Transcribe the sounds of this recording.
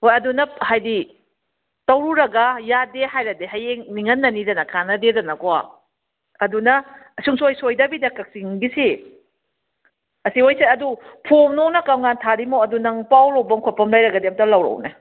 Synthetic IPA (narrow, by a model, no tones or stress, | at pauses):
hojɐdunɐhajdi | tɐwɾuɾɐɡɐjadeɦajɾɐdeɦajeŋniŋɐnːɐnidɐnɐkʰanɐdedɐnɐkoa̰ | ɐdunɐsuŋsojsojdɐbidɐkɐk̚siŋbisi | ɐsiojseɐdupʰomnoknɐkawŋantʰaɾimoɐdunɐŋpawɾowbɐŋkʰopʰɐmlɐjɾɐɡɐdeɐmtɐlɐwɾɐ̰wnḛ